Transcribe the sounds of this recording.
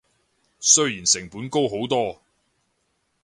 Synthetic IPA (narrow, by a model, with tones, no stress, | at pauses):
sɵ˥ɥjiː˨˩nsɪ˨˩ŋpuː˨˥nko˥wɦo˨˥wt̪ɔː˥